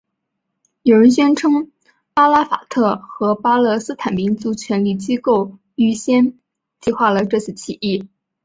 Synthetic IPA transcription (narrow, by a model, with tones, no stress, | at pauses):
jo˨˩ʊɻə˧˥nɕɥɛ˥nʈ͡ʂʰɤ˥ŋ | pa˥la˥fa̰˨˩t̪ʰɤ˥˩xɤ˧˥pa˥lɤ˥˧sɹ̩˥t̪ʰa˨˩npi˧˥ŋt͡su˧˥t͡ɕʰɥɛ˧˥nli˥˩t͡ɕi˥ko˥˩ʊ | y˥˩ɕjɛ˥n | t͡ɕi˥˧xwa˥˩lə˩ʈ͡ʂɤ˥˧t͡sʰɹ̩˥˩t͡ɕʰi˨˩i˥˩